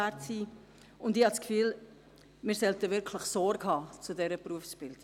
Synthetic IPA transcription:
ætsiː | ʊndiːhɑtskfyːl | mɪːɾsɛltəvɪɾkʰləχsɔɾɡɦɑːt͡sudɛɾəpɾuəfsb̥ɪlt

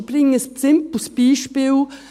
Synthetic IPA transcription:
bɾɪŋəst͡sɪmp̩spiːʃpɪw

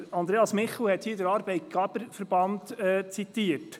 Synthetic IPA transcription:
ɑnd̪ɾeːɑsmɪχl̩hɛt̪hiːdəɾɑːɾbɛɪt̚ɡ̥æb̥əɾfəɾb̥ɑnt̪ɛt͡sit̪iət

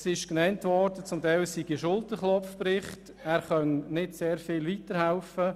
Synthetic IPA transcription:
sɪʃknɛntʋɔɾd̥ət͡sʊmtaɪlsiɡ̥iʃʊltəχlɔfprɪχt | ɛːɾχœnnɪdseːɾfɪːlʋiːtəɾhaʊfə

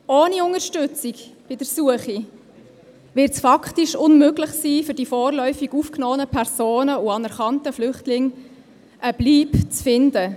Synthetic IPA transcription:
oːniʊŋəɾʃtʏt͡sikb̥ɪdəɾsuəχi | vɪɾtsfɑkʰtiʃʊnmøɡlɪχsiːfʏɾd̥ifoːrlœʏfiɡufknɔːənəpʰɛɾz̥oːnəuɑnɛɾχɑntəflʏχtlɪŋ | ʔəb̥liːpt͡sfɪndə

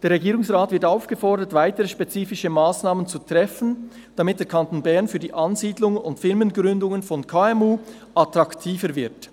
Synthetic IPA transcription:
d̥eːɾʁɛɡiːɾʊŋsʁaːtvɪɐtaʊfɡ̥əfɔʁdətv̥aɪtəʁəʃpet͡siːfɪʃəmaːsnaːmənt͡sutʁ̥ɛfn̩ | d̥amɪt̚d̥eːɐkʰantoːnbɛɐnfyːdiːʔɑnziːdlʊŋʊntfɪʁmənɡʁʏndʊŋənfɔnkʰaːɛmuː | ʔatʁɑktʰiːfəɾvɪɐt

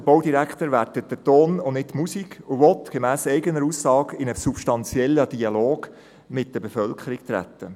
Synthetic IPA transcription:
əb̥oʊdiɾækχt̪əɾʋædət̚d̥ətoːnʊnɪttːmusiɡʊʋɔt̪ɡ̥emæːsɛɪɡənəɾusːɑːɡɪnəsupʃtɑnt͡sjɛlːəd̥iɑloːɡ̥ | mɪt̚d̥əbefœlkʰəɾikt̪ɾæ̰t̪ːə

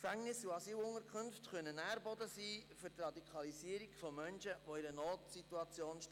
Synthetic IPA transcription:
kfæŋnɪsuɑsyːlʊŋəɾkʰχʏnftχœnənæːɾbɔdəsiːfʏɾtrɑd̪ikʰɑliziːəɾikfɔmœnʃəʋoɪɾənoːtsituɑt͡sjoːnʃt

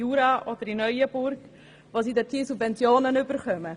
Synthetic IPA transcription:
uːɾɑʔod̥̪əɾinœʏəb̥ʊɾɡ | ʋoːsiːdɛtʰiːsubvɛnt͡sjoːnənʏbəɾχœmə

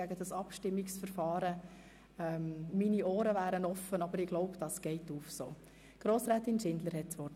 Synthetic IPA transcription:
æɡədɑsɑpʃtɪmːiksfəɾfɑːɾə | ɛːmminioːɾəvæːɾənɔfːənɑbəɾɪɡ̥lɔʊpd̥ɑsɡ̥ɛɪtuːfso̰ː | ɡ̥ɾoːsɾɛːt̪ɪnʃɪndləɾhɛt̚t͡sʋɔ

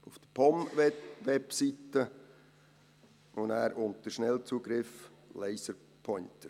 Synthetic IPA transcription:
ufd̪̥əpʰɔmʋɛpsitːə | ʊnæːɾʊntəʃnɛlt͡suːɡ̥ɾɪflɛɪsəɾ | pʰɔʏntəɾ

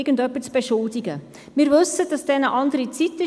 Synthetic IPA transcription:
ɡ̥əndœpːət͡sb̥eʃʊldiɡə | miːɾvɵsəd̥ɑsd̥ɛnəʔɑndəɾit͡sit̪ːə

